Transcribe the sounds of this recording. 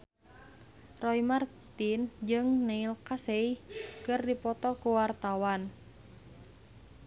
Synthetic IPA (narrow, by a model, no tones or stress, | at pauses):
rɔimart̪ind͡ʒɨŋneilkaseikɨrdipɔt̪ɔkuwart̪awan